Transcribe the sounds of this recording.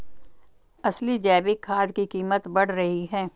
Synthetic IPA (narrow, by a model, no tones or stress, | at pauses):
ɐslid͡ʒɛːbikʰːaːd̪kikiːmət̪bɐɽ̤ɾɐɦiɦɛː